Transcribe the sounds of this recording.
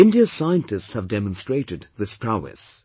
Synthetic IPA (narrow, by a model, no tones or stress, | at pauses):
ɪ̃ndiəsaɪə̃ntɨstshəvdɛmə̃nstɹ̥eɪɾɨd̪ðɪspʰɹaʊɛ̰s